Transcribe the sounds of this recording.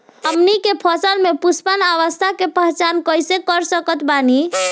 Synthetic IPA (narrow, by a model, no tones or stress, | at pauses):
əmnikepʰəsəlmepuspənaʋəst̪ʰakepəɦt͡ʃankəjsekəɾsəkət̪bani